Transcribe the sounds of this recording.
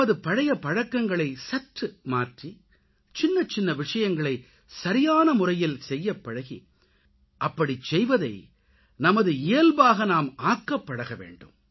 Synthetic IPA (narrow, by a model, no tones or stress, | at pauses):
ɐðɯpɐɻɐjɐpɐɻɐkːɐŋɡɐɭɐɪsɐʈrɯmaːʈri | t͡ʃɪnːɐt͡ʃɪnːɐʋɪʂɐjɐŋɡɐɭɐɪ | sɐɾɪjaːnɐmʊrɐjɪlsɛjːɐpːɐɽɐɣi | ʔɐpːɐɽit͡ʃɛjʋɐðɐɪ | nɐmɐðɯeːlbaːɣɐnaːmaːkːɐpːɐɽɐɣɐʋḛːɳɖɯ̰m